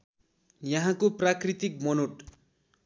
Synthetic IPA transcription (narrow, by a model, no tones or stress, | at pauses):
jʌɦãkoprakrit̪ik̚mʌnoʈ